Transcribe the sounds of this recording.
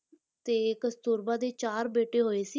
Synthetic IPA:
t̪eːkəst̪uːɾbãːd̪eːt͡ʃaːɾbeːʈeːɦoːeːsiː

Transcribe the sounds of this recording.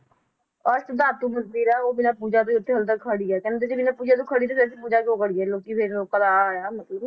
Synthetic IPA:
ɔːɾsəd̪aːt̪uːməzbiːɾɛːoːbɪnaːpuːd͡ʒaːt̪̬oiʊt̪ʰːẽːɦəlt̪əkʰəɽiɛkɛ̃ːnːt̪ed͡ʒebɪnaːpuːd͡ʒaːt̪oːkʰəɽiːt̪oːpeɾsipuːd͡ʒaːd͡ʒoːkəɽiːɛloːkipʰɪɾokəɾaːjaːmət̪ləb

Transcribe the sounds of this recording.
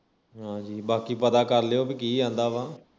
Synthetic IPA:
ɦãːd͡ʒiːbaːkiːpət̪aːkəɾleoːbik̬iːd͡ʒãːnd̪aːʋãː

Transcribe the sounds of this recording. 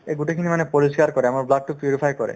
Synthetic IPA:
eɡuʈekʰinimanepɔɾisikaɾkɔɾeamaɾblaʈ̚ʈupɾjuɾipʰajkɔɾḛ

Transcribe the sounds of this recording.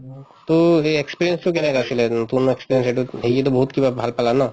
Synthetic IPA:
t̪oeekspiɾijensʈokɛnɛkasʰilep̪unoekspiɾienseʈuɦeet̪̬obɔɦut̪kibabʱalpalana

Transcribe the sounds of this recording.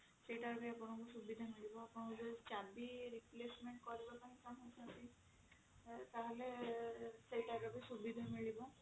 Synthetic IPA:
sejʈaɾbeapɔɽ̃ɔkusubid̪ʱamiɭibɔapɔɽ̃ɔkubet͡ʃabiɾiplesmeɳʈ̚kɔɾibɔt̪aɦĩkanɦojsʰant̪ĩ | t̪aɦele | sejʈaɾɔbesubid̪ʱamiɭibɔ

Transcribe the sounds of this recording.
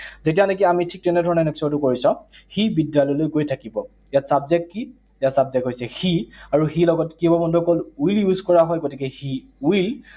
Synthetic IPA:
zetijanek̬iamitʰik̚tɛnɛdʱɔɹɔnɛnɛksɔtʊkoɹisɔ̃xibidalɔjlojkojtʰakibɔ | ijatsabzɛkːi | jatsabzɛkɦojsɛxiaɹuxilɔɡɔtkibɔbɔndʱɔkɔlwiljuzkɔɹaɦɔjɡotikɛxi | uil

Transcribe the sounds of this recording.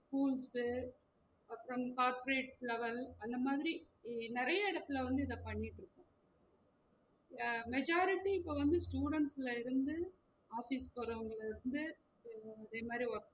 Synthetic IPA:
skuːlsɯ | ɐpːɾɐmkaːɾpɔɾeːʈ̚lɛʋɐlɐnd̪ɐmaːðɪɾi | nɪɾɐjɐɪɽɐt̪ːɪlɐʋɐnd̪ɯɪðɐpɐɳːɪʈːɪɾɯkːõː | mɛd͡ʒaːɾɪʈːiɪpːoʋɐnd̪ɯsʈjuːɽɛɳʈsɪlɐɪɾɯnd̪ɯ | aːfispɐɾɐɐŋɡɐɭɪɾɯnd̪ɯ | ɐðeːmaːd̪ɾiɐɾ

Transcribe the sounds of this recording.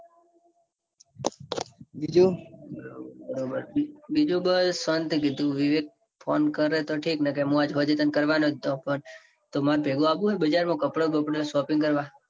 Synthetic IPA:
bid͡ʒuəɾobəɾobəɾbid͡ʒũbəsʋənt̪kit̪ũʋiʋek̚ | pʰonkəɾet̪oʈʰiknəkeɦũad͡ʒɦɔd͡ʒet̪ənkəɾʋanot̪opəɳ | t̪omaɾpeɡõabũɦebəd͡ʒaɾmõkəpɽobəpɽsɔpɪ̃ŋɡkəɾʋa

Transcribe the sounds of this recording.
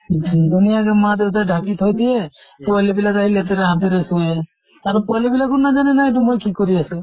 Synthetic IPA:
d̪unijaɡɛmad̪et̪ajɖʱakit̪ʰɔjd̪iepualibilakaɦilet̪eɾeɦat̪iɾesue | aɾupualibilakɔɾnad͡ʒanɛnaeʈ̬umojkikɔɾiasu

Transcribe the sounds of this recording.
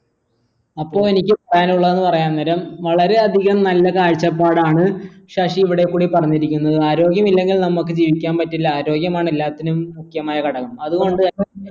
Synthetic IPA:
ɐpːo̞ːɭenikʲːɨpɐrɐjanuɭːɐðe̞nːɨpɐrɐjaːnnɐɾɐmʋɐɭɐɾe̞ɐd̪ʱiɣɐmnɐlːɐkaːɻt͡ɕːɐpːaːɽaːɳɨʂaʂiːʋiɽekːuːɽipɐrɐɲːiɾikʲːunːɐðɨaːɾo̞ːɡjɐmilːe̞ŋɡilnɐmːukːɨd͡ʑiːʋikʲːaːnpɐtːilːɐaːɾo̞ːɡjɐmaːɳilːaːt̪ːinumːukʰjɐmaːjɐkɐɽɐɣɐmɐðuɣo̞ɳɖɨɐ

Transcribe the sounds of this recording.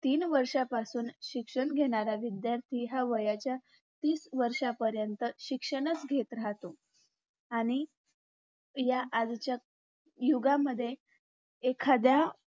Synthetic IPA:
t̪iːnʋəɾʂapasuːnɕikʂəɳɡʱeɽ̃aɾaʋid̪jaɾt̪ʰiɦaʋəjat͡ɕja | t̪iːsʋəɾʂapəɾjənt̪əɕikʂəɽ̃ət͡sɡʱet̪ɾaɦt̪o | aɽ̃i | jaʔːd͡zt͡ɕja | juɡaməd̪ʱːje | ekʰad̪ja

